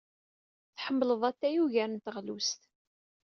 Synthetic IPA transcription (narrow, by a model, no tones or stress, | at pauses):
θħəmːləðˤæt̪ːæjuʝæɾənt̪əʁlust̪